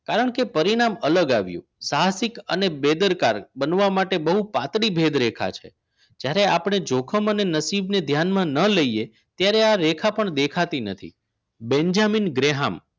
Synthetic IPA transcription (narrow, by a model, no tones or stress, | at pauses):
kaɾəɳkepəɾiɽ̃amələɡaʋjṵ̃saɦsikə̰nebed̪əɾkaɾbənʋamaʈebəɦupat̪ɽibʱed̪ɾekʰa̰t͡ʃʰḛ | d͡ʒjaɾeapɳ̃ed͡ʒokʰəmənenəsibned̪ʱjanmãnələije | t̪jaɾeaɾekʰapəɳd̪ekʰat̪inə̰t̪ʰḭ | bɛ̃ɲd͡ʒaminɡɾeɦam